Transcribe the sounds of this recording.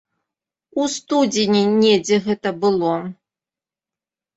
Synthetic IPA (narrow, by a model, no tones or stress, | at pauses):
ust̪ud͡zʲinʲinʲɛd͡zʲɛɣɛt̪ɐbɨlˠo